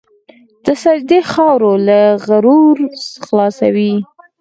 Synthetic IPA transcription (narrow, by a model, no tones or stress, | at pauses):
d̪̥əsad͡ʒd̪exɑwɾolaɣaɾuɾxlɑsa̰wi